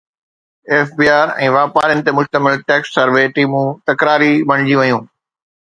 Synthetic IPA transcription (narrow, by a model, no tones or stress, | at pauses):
eːfbiːaːɾɛ̰̃ːʋaːpaːɾjənɪ̆t̪emʊʃt̪əmɪlʈɛːksːɐɾʋeʈiːmũt̪ɐkɾaːɾibɐɽ̃d͡ʑiʋɐjũː